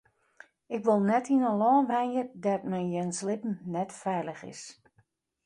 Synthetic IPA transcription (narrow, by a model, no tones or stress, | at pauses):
ɪkʋolˠnɛtʰinəlɔːnʋɛjjədatmɛnjɛnslɪpn̩nɛtfɛjləxɪ̰s